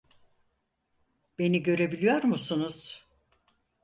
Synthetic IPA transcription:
b̥e̞niɟø̞ɾe̞bilʲijoɾmusunuz̥

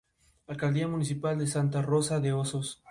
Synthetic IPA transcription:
alkald̪iamunisipald̪esant̪aro̞saðeosos

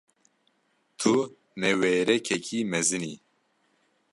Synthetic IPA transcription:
t̪ʰu | nɛweːɾɛkʰɛkʰiːmɛzɨni

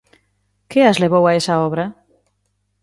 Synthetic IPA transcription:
keazleβowaesaɔβɾɐ

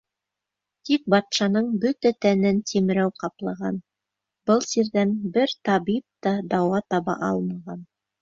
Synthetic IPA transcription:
t̪ik̚bɑt̪ʃɑnɤɴbɵt̪æt̪ænɘnt̪ʰim̆ɾæwqɑplˠɤ̆ʁɑ̰n | b̥ɤlˠsiɾðænbɘɾt̪ɑβip̚t̪ɑd̪ɑwɑt̪ɑβɑ̰ʔɑlˠmɑʁɑn

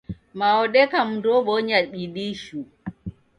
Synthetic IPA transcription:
maɔɗɛkam̩dɔɓɔɲaɓiɗiʃu

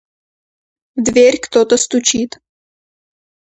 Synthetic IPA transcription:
d̪vɛɾʲkt̪ot̪əst̪ut͡ʃiːt̪

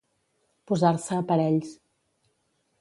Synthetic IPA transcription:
puzaɾsəːpəɾɛʎs

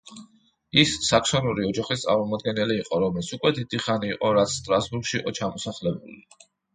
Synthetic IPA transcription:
isːakʰsɔnuɾiɔd͡ʒaχist̪sʼa̰ɾmɔmɔd̪̚ɡɛnɛliːqʼɔɾɔmɛlsukʼwɛd̪id̪̥iχaniːqʼɔɾat̪sʰst̪ʼɾasbuɾɡʃiiqʼɔt͡ʃʰamɔsaχlɛbuli

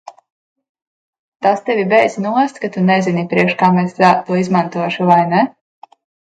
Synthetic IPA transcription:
t̪ast̪ɛvʲibɛj̪znuɔst̪kat̪unɛzinipɾiɛkʃkaːmɛsat̪uɔizmant̪uɔʃuvajnɛ

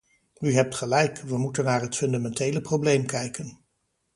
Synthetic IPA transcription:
yɦɛp̚tχəlɛjkʋəmutənːaːɹɦətfɵndamɛntejləprowblejmkɛjkən

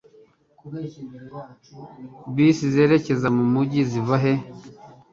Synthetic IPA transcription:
biːsize̞ːɾe̞ce̞zamumuɟizivaɦe̞

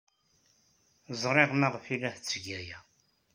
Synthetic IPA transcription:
zˤɾˤeʁmaʁfilæht͡sːɡæjæ

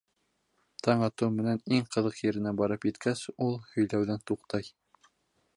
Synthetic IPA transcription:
t̪ʰɑɴɑt̪ɤwmɘ̆næniŋqɤ̆ðɤqjɘ̆ɾɘ̆næbɑɾɤpjɘ̆t̪kʰæsulˠhɵ̆jlæwðænt̪uqt̪ɑj

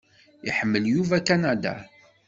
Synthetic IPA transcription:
ḭħəmːəljuvækanæd̪a̰

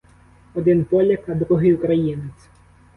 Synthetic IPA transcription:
ɔd̪ɪnpɔlʲɐkɐd̪ɾuɦɪjʊkɾɐjinet͡sʲ

